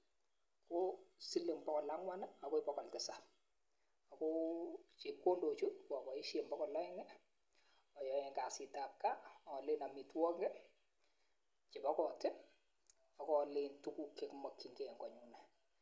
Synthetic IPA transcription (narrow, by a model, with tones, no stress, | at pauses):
ko˦si˦le˨ŋbɔ˦kɔ˨la˦ŋwa˦na˦a˨ko˦ɪ˦pɔ˦kɔ˨ltɪ˦sap̚ | a˨kot͡ʃi˨ko˦ndo˨t͡ʃu˦ka˨kɔ˨ɪ˦ʃe˨mbɔ˦kɔ˨lɔ˦ɛ˦ŋɛ˦ | ɔ˨jɔ˨e˨ŋka˨sɪ˨ta˨kːa˦ɔ˨lɪ˦na˨mi˨twɔ˦ŋɡɛ˦ | t͡ʃi˨pɔ˦kɔ˨tɪ˦ | a˨kɔ˦lɪntu˦ku˦kːe˨kma˨kːi˨ŋɡe˦˨ŋɡɔ˨ɲu˨nɛ˨